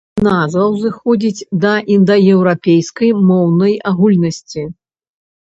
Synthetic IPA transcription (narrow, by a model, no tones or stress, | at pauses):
nazvɐwzɨxɔd͡zʲit͡sʲd̪ɐʔind̪ɐjɛwɾapʲejskɐjmɔwnɐjaɣulʲnɐsʲt͡sʲi